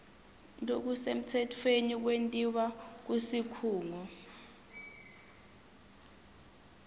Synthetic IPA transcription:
ndʱʼok̬usem̩tʰɛtʰwenik̬wentʼiɓak̬usikʰuːŋɔ

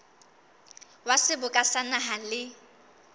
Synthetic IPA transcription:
wasɪbʊkʼasanaɦalɪ

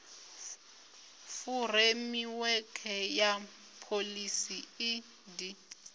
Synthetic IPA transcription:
furemiwɛkʰɛja | pʰolisii | di

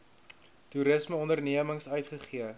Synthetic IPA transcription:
tuɾəsməɔndərniəməŋsœɥtχəχiə

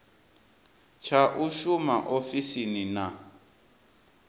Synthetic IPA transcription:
t͡ʃʰaʔuʃumaʔofisinina

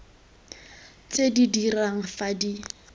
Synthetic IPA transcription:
t͡sedidiraŋ̩fadi

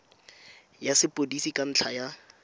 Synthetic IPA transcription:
jasɪpʼodisikʼan̩t͡ɬʰaja

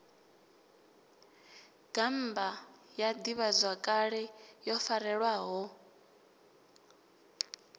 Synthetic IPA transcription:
ɡ̥am̩bajad̪iβazwakʼaɺɛjɔfaɾɛɺwaɦɔ

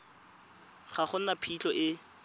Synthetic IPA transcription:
χaχʊn̩napʰit͡ɬɔʔɪ

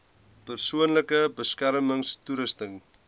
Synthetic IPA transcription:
pərsuənləkəbəskærməŋst̪uɾəstəŋ

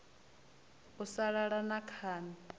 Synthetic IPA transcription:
usaɺaɺanakʰaːni

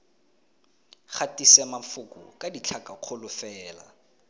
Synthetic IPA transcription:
χatisɛmafʊkʼʊ̰kʼadit͡ɬʰakʼaq͡χʰʊlʊfɛːla̰

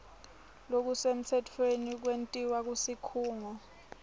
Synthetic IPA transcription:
lok̬usem̩tʰɛtʰwenik̬wentʼiwak̬usikʰuːŋɔ

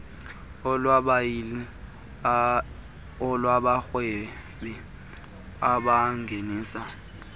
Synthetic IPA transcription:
laɓajili | ɔlwaɓaxwe | ɓi | aɓaŋɡʱeniːsa

